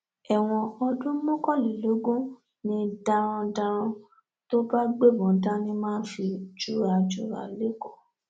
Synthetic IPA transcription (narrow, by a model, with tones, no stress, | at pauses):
ɛ˨w̃ɔ̃˧ɔ˧dũ˦mɔ̃˦kɔ˦˨li˨lo˨˦ɡũ˦ | nĩ˧da˧ɾ̃ɔ̃˧da˧ɾ̃ɔ̃˧ | to˦ba˦ɡ͡be˦˨bɔ̃˨n̩˦tã˦nĩ˦mãː˦n̩˦fi˧d͡ʒu˦ɾa˨d͡ʒu˦ɾa̰˨le˦kɔ˦˨